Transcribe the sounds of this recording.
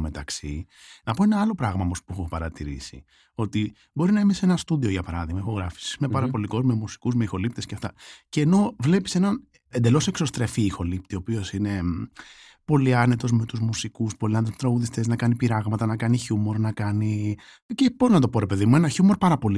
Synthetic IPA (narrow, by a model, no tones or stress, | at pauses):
met̪ɐksi | nɐpo̞e̞nɐɐlo̞pɾɐɣmɐmospuexupɐɾɐt̪iɾḭsḭ | o̞t̪i | bo̞ɾinɐimese̞nɐst̪uðio̞ʝɐpɐɾɐðiɣmɐixo̞ɣɾɐfi̥si̥smepɐɾɐpo̞liko̞zme̞musi̥kuzmeixo̞lip̚t̪esceɐft̪ɐceːno̞vle̞pi̥se̞nɐn | end̪e̞lo̞se̞kso̞st̪ɾe̞fiːxo̞lip̚t̪io̞pio̞sine̞ | po̞liɐne̞t̪o̞zme̞t̪uzmusikuspoliɐnt̪osmet̪ɾɐɣuðist̪e̞znɐkɐnipiɾɐɣmɐt̪ɐnɐkɐniçumo̞ɾnɐkɐni | ceb̥o̞ɾinɐt̪o̞po̞ɾe̞pe̞ðimue̞nɐçumo̞ɾpɐɾɐpo̞li